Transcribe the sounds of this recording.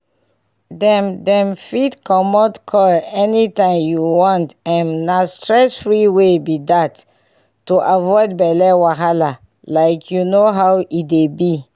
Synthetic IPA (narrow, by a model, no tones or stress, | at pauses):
dɛ̃mdɛ̃mfitkʰɔmɔtkʰɔɛnitãɪmjuwɔ̃ntɛ̃nnastɹɛsfɹiwebidatː | uʔavɔɪd̚bɛlɛwaɦala | laɪkʰjunoɦawidebi